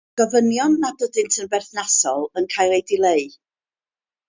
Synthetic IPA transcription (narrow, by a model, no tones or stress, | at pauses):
ɡ̥ɔvənjɔnːadədɨntʰənbɛrθnasɔlˠənkʰajɾejdɪlˠejɨ